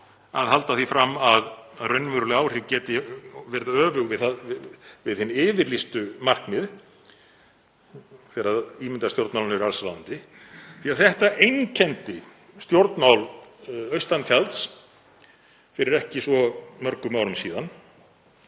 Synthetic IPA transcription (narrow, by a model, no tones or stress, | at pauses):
aðhɦalt̪aθifɾamːaðrœɥnːmʏɾʏlɪaːwr̥ɪcɛːt̪ɪvɛɾðœːvʏɣvɪðθa | vɪðhɪnːɪːvɪɾlist̪ʏmar̥knɪð | θɛːɾaðiːmɪnt̪ast̪jowɾt̪maːwlnʏvɾalslant̪ɪ | θiaðθɛht̪aʔejŋcʰɛnt̪ɪ | st̪jowɾt̪nmawlœɥst̪ant̪ʰjalt̪s | fɪɾɪɾɛhcɪsvɔmœɾkʏmaːwɾʏmsiːðan